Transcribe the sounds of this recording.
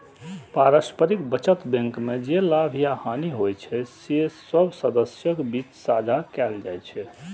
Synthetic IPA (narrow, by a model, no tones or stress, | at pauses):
paɾəspəɾikbət͡ʃət̪bẽŋkmed͡ʒelabʱijahaniɦojt͡ʃʰɛsesəbʱsəd̪əsjəkbit͡ʃsad͡ʒʱakɛld͡ʒa̰jt͡ʃʰɛ